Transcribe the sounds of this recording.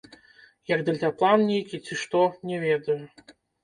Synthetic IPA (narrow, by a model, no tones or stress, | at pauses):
jɐɡd̪ɐlʲt̪ʲaplˠannʲejkʲit͡sʲiʂt̪ɔnʲɛvʲɛd̪ɐju